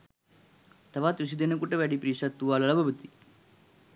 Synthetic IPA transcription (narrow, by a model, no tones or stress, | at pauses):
t̪aʋat̪ʋis̬id̪enəkuʈəʋæɖipɾiːʂat̪ːuʋaːlɐlabəbət̪i̥